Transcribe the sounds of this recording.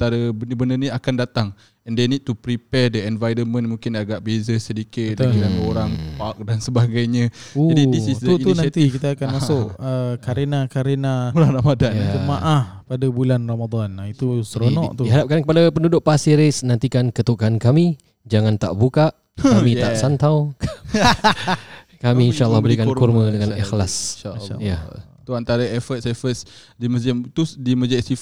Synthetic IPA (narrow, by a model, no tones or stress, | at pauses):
t̪aɾəbənbənəniakandat̪aŋ | ɛndɛniʔt̪upɾipɛdəɛnvajɾəmə̃nmũŋkɪnaɡaʔbezəsədikɪt̪̚d̪əilamoɾaŋpak̚dansəbaɡajɲã | uadidisiduit̪unãt̪ikit̪aːkanmaʊʔəkaɾenakaɾenabuɾalamadanjat̪umaʔahpadabulanramad̪anit̪usəɾonɔ̰ʔt̪uiɦadap̚kankəpadapəndudʊʔ̚pasiɾesnãnt̪ikankət̪ukankami | d͡ʒaŋãnt̪a̰ʔbukaʔ | amĩt̪aʔsant̪awk | kamĩːnʃaəlːahbəɾikankurmədəŋanixlasjja̰ | t̪uant̪aɾaɛfət̪̚sɛfəs | diməzəmt̪usdiməzasif